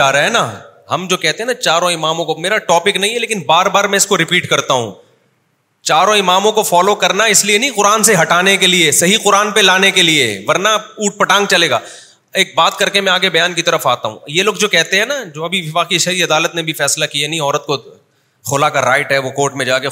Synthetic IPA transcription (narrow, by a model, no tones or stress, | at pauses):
aːɾaɦɛna | ɦɐmd͡ʒoːkɛɦt̪ẽɦɛnat͡ʃaːɾõɪmaːmõkomeːɾaʈɔːpɪknɐɦĩɦɛleːkɪ̃nbaːɾbaːɾmɛ̃ɪskoɾɪpiːʈkɐɾt̪aɦṵ̃ | t͡ʃaːɾõɪmaːmõkofɔːlokɐɾnaɪslienɐ̃ɦĩqʊɾaːnseɦɐʈaːnekeliesɐɦiqʊɾaːnpelaːnekeliḛʋɐɾnauːʈ̚pɐʈãːŋɡt͡ʃɐleːɡa̰ː | eːk̚baːt̪kɐɾkemɛ̃aːɡebɐjaːnkit̪ɐɾəfaːt̪aɦṵ̃ːjeloːɡd͡ʒoːkɛɦt̪ẽɦɛ̃nad͡ʒoːɐbʱiʋaːkiʃɐɾiɐd̪aːlət̪nebʱifɛːslakianɐĩɔːɾət̪̚ko | xʊlakaɾaːɪʈɦɛʋokoːɾʈmẽd͡ʒaːke